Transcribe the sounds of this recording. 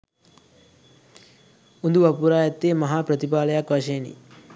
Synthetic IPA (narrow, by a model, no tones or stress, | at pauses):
und̪uʋapuɾaːjɐt̪ːeːmɐɦaːpɾət̪ipaːlɐjakʋaʃenḭ